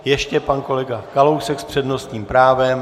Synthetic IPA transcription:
jɛʃcɛpanko̞lɛɡakalowsɛkspr̝̥ɛdno̞st̪ɲiːmpɾaːvɛm

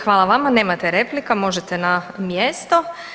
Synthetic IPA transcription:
xʋaːlˠaʋamane̞ːmat̪eɾeplikamo̞ʒet̪enamjest̪o

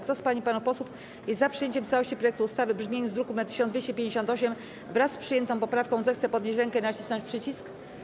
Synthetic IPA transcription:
kt̪ɔspaɲipanupɔswuf | jɛst̪zapʂɨjeɲt͡ɕɛmft̪sawɔɕt͡ɕipɾɔjɛk̚t̪uːst̪avɘbʐmʲjeɲuzd̪ɾukumɛt̪ːɘ̥ɕɔnvʲjeɕt͡ɕɛpʲjẽɲd͡ʑeɕ̬ɔnt̪ɔɕɛm | vɾasːpʂɨjɛnt̪ɔ̃pɔpɾafkɔ̃zɛxt̪sɛpɔd̪ɲet͡ɕɾɛŋkɛinat͡ɕi̥snɔɲt͡ɕpʂɘt͡ɕisk

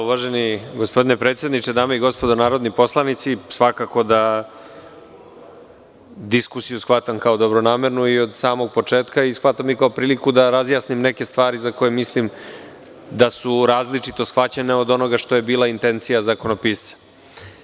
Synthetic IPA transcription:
uʋaʒeniɡospo̞d̪inepɾet̪sje̞d̪nit͡ʃed̪aːmeiɡo̞spo̞d̪onaːɾo̞d̪nipo̞slˠanit̪sisʋakako̞d̪a | d̪iskusijusxʋat̪amkao̞d̪o̞bɾonaːme̞ɾnuio̞d̪saːmo̞ɡ̚po̞t͡ʂe̞ːt̪kaisxʋat̪amikaopɾiːlikud̪aɾazjaːsnimne̞ke̞st̪ʋaːɾizako̞jemislim | d̪asuɾaːzlit͡ʂit̪o̞sxʋat͡ɕene̞o̞d̪o̞no̞ɡaʃt̪o̞je̞biːlˠaint̪e̞nt̪sijazako̞nopiːst̪sḁ

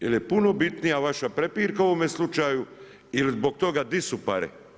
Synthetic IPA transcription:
jelje̞puno̞bit̪nijaʋaʃapɾe̞piːɾkaoʋomjeslˠut͡ʃaju | ilizbo̞k̚t̪o̞ɡad̪isupa̰ɾḛ

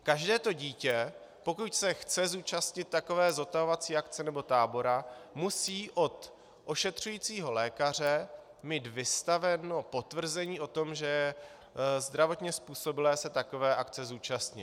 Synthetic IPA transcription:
kaʒdɛːt̪o̞ɟiːcɛ | po̞kucsɛxt͡sɛzuːt͡ʃast̪ɲɪt̪̚t̪ːako̞vɛːzo̞t̪aɦovat͡siːʔakt͡sɛnɛbo̞t̪aːbo̞ɾamusiːʔo̞t̪ | ʔo̞ʃɛt̪r̝̥ujiːt͡siːɦo̞lɛːkar̝ɛ | miːt̪vɪst̪avɛno̞po̞t̪vr̩zɛɲiːʔo̞t̪o̞mʒɛjɛ | zd̪ɾavo̞t̪ɲɛspuːso̞bɪlɛːsɛt̪ako̞vɛːʔakt͡sɛzuːt͡ʃast̪ɲɪt̪

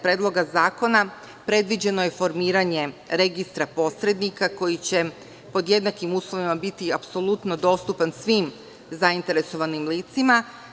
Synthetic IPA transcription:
pɾe̞ːd̪lˠo̞ɡazaːko̞na | pɾe̞d̪ʋid͡ʑe̞no̞je̞fo̞ɾmiːɾaɲe̞ɾe̞ɡist̪ɾapo̞sɾe̞d̪nikako̞jit͡ɕe̞ | po̞d̪je̞d̪nakimuːslˠo̞ʋimabit̪iapso̞lˠut̪no̞d̪o̞st̪upansʋiːm | zaint̪e̞ɾe̞so̞ʋanimliːt̪sima

